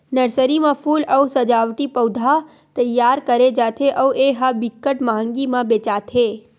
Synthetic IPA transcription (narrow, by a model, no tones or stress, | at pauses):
nəɾsəɾimãfʰuːləusəd͡ʒaʋʈipəwd̪ʱa | t̪əjːaɾkəɾed͡ʒat̪ʰeʔəuʔeɦabɪkːəʈmaɦə̃ŋɡimãbet͡ʃat̪ʰe